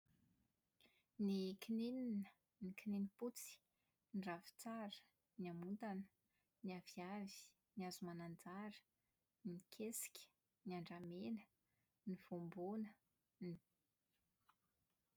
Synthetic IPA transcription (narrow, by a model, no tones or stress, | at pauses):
nikinininə | nikininiput͡si̥ | nɖ͡ʐavi̥t͡saɾə̥ | niamunt̪anə̥ | niaviavi̥ | niazumanand͡zaɾə̥ | nikʰesi̥kʲə̥ | niaɳɖ͡ʐamenə | niv̥ombonə | ni